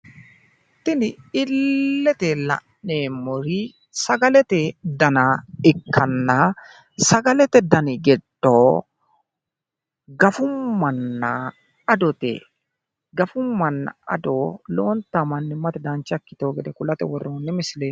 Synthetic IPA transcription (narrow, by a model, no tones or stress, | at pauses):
ɪt̪ːɪnɪɪlːɛt̪ɛlɐ̰ʔ | neːmɔɾi | sɐɡɐlɛt̪ɛd̪ɐnɐɪkʰːɐnːɐ | sɐɡɐlɛt̪ɛd̪ɐnɪɡɛtːoː | ɡɐfʊmːɐnːɐ | ɐd̪ɔt̪ɛ̰ | ɡɐfʊmːɐnːɐ̰ɐ̰d̪oːloːnt̪ɐmɐnːɪmɐt̪ɛd̪ant͡ʃːɐkːɪ̥t̪oːɡɛd̪ɛkʊlɐt̪ɛ̰wɔrːoːnːɪmɪsleː